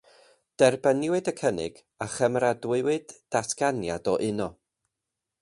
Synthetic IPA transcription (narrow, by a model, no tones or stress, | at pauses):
d̥ɛrbənɪwɨdəkʰənɪ̰ɡ̥ | aχəmɾadwɪwɨdːatɡ̥anjadɔʔɪnɔ